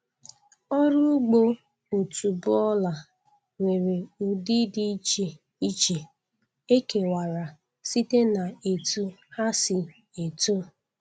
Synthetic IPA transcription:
ɔ˦ɾʊ˦ɡ͡bo˦ | o˨tu˨bʊ˦ɔ˦la˨ | ŋʷe˨ɾe˨u˨di˦di˦t͡ʃe˨ | i˦t͡ʃe˨ | e˦ke˨wa˨ɾa˨ | si˦te˦na˨e˨tu˦ha˦si˨ | e˨tu˦

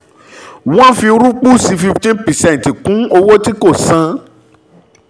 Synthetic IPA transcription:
wɔ̃˦fĩ˧ɾu˦k͡pu˦si˧fi˧ftĩ˦pɛ˨sɛ̃˦˨n˨ti˨kũ˨˦o˧wɔ˦ti˦ko˦˨sã˧

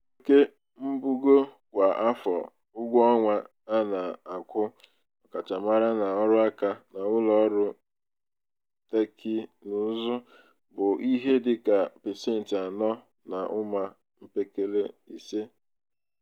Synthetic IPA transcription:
ke˦ | m̩˦bu˦ɡo˦ | kʷa˨ʔa˦fɔ̰˨ | ʊ˦ɡʷɔ˦ŋʷa˦ | a˦na˨a˨kʷʊ˦ | ɔ˨ka˨t͡ʃa˨ma˦ɾa˦na˨ɔ˦ɾʊ˦a˦ka˦na˨ʊ˦lɔ˦ɾʊ˦ | te˦kʰɪ˦nʊ˨˦zɔ˦ | bʊ˨ʔi˦ɦe˦dɪ˦ka˨pe˨se˦n̩˨tɪ˨a˨nɔ˦ | na˨ʔʊ˦ma˦ | m̩˦pe˦ke˦le˦i˨se˦

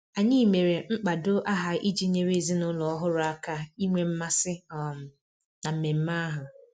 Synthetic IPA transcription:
a˨ɲɪi˦me˨ɾe˨ŋ͡m̩˦k͡pa˨dʊ˦ʔa˦ɦa˨ʔi˦d͡ʒi˦ɲe˦ɾe˦˨zi˦nʊ˦lɔ˨ɔ˦ɦʊ˦ɾʊ˦a˦ka˦i˦ŋʷe˦m̩˦ma˦sɪ˦ɔ˨m̩˨ | na˨m̩˨me˨m̩˦ma˦ɦʊ˨

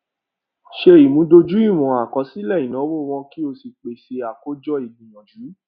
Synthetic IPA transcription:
ʃe˧i˨mũ˨˦do˧d͡ʒu˨˦i˦˨w̃ɔ̃˨a˨kɔ˨˦si˦lɛ˦˨jĩ˨nɔ̃˨˦wo˦˨w̃ɔ̃˧ki˦o˧si˧k͡pe˨ʃe˧a˨ko˦d͡ʒɔ˦i˨dĩ˨jɔ̃˨d͡ʒu˨˦

